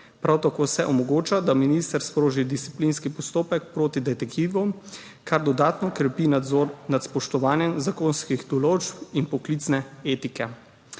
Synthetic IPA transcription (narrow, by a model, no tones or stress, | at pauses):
pɾʔawt̪akoːsɛʔɔmɔɡoːt͡ʃad̪aminist̪əɾspɾoːʒid̪ist̪i̥plinskipɔst̪oːpɛk̚pɾoːt̪id̪ɛt̪ɛkt̪iʋɔ | kʰaɾd̪ɔd̪aːt̪nɔkɾɛpinat̪spɔʃt̪ɔʋaːnjɛmzakoːnskiɣd̪ɔloːt͡ʃpinpɔklit̪snɛeːt̪ikɛ